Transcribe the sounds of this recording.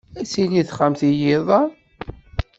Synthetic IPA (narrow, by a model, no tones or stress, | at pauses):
æsiniθχamθijɪðˤɑ